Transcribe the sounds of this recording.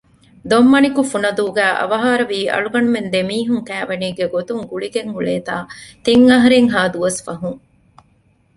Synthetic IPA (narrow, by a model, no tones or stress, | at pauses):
d̪omːɐnikufunɐd̪uːɡæːʔɐ̰ʋɐɦaːɾɐʋiːʔɐ̰ɭuɡɐnumend̪emiːɦuŋkæːʋɐniːɡeɡot̪uŋɡuɭiɡeŋɦuɭeːt̪aːt̪iŋːɐɦɐɾeŋɦaːd̪uʋɐsfɐɦuŋ